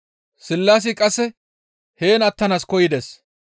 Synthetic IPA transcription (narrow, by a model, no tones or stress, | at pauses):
sɪlːaːs̬ikʼɐsːɛ | he̞ːnɐt̪ːɐnaːskɔjɪd̪es